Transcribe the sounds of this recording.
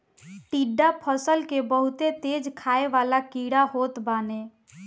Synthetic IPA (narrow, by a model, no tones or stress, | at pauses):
ʈiɖːapʰəsəlkebəɦʊt̪et̪eːd͡ʒkʰaːeʋaːlakiɽaɦoːt̪baːne